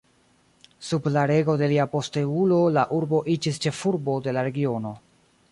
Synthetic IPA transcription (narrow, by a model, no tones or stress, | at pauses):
sublaɾe̞ɡo̞de̞liapo̞steulo̞laʔuɾbo̞ʔid͡ʒist͡ʃe̞fuɾbo̞de̞laɾe̞ɡio̞no̞